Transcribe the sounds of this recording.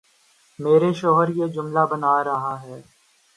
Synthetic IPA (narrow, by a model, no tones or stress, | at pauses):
meːɾeʃɔːɦəɾjeːd͡ʒʊmlabənaːɾɐɦaɦɛː